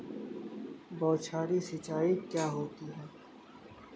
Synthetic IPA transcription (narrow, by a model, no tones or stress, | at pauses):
bɔːt͡ʃʰaːɾisɪt͡ʃaːikjaːɦoːt̪iɦɛː